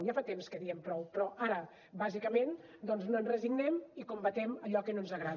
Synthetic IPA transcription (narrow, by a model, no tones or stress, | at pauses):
jafat̪emskəðiəmpɾɔwpɾɔʔaɾə | bazikəmen | d̪ɔnznoənrəziɡnɛmikumbət̪ɛməʎɔkənonzəɣɾa